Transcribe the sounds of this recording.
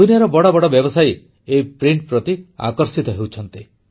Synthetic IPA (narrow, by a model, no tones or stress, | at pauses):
unjaɾɔbɔɽɔbɔɽɔbjɔbɔsaj | epɾiɳʈ̚pɾɔt̪ia̰kɔɾsit̪ɔɦewt͡ʃʰɔnt̪i